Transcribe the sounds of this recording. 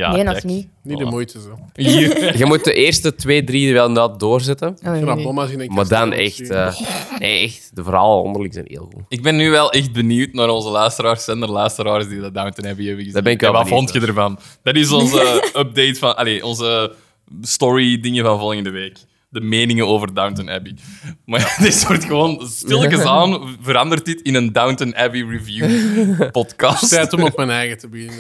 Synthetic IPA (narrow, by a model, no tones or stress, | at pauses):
ja̰nni | nidəmujtəzoiːɣəmut̚dəʔeːrstətʋeːdɾidəʋɛlˠnɑt̚doːrzɛtənomaziɛmaːdanɛ̰xtəːneːɛxtdəvəɾɑ̰ːləɔ̰ndərlɪksɛ̰nḛːlˠɣṵɪɡ̚bɛnːyːʋɛlˠɛxt̚bənywtnaːɾɔnzəlœːstəɾaːrsɛndərlœːstəɾaːrzdiədadawntənɦɛbəevəɣəzdabɛnɪkʋɛlʋavɔntxədərvɑnd̥ɑtɪsɔnzəəp̚dejtfɑnʔaleːʔɔnzə | stɔɹidɪŋəvɑnvɔlˠɣəndəʋeːk | dəmeːnɪŋənoːvərdawntənɛ̰pimadɪsortxəʋoːnstɪlˠkəsaːnvəɾɑndərtɪtɪnəndawntənɛpiɹivjupɔtkɑsttɛːtɔmɔp̚mɛnɛjɣətəbəɣɪnə